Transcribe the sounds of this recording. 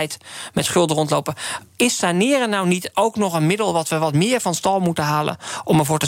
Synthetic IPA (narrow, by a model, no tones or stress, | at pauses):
jtmɛtχɵlˠdərɔntlowpəɪsːanɪːrənːawnitowknɔχənmɪdəlˠʋɑtʋəʋɑtmɪːɹvɑnstɑlˠmutənɦaːlə̰nʔɔməɹvʊːɹtə